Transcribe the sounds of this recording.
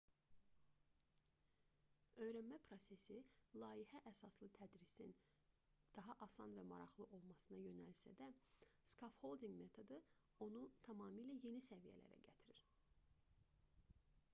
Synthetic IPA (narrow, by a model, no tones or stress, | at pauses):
ø̞jɾænmæpʰɾo̞se̞silˠɑːiɦæʔæsɑslˠɯt̪ʰæd̪ɾisḭn | d̪̥ɑɦɑʔɑsɑnvæmɑ̰ɾɑχlˠɯʔo̞lˠmɑsɯnɑjø̞nælsæ̰d̪æskofho̞lˠd̪iŋɡme̞t̪ʰo̞d̪ɯ | o̞nut̪ʰɑmɑːmiːlæje̞nisævijæ̰læ̰ɾæ̰ɟæt̪ʰiɾiɾ̥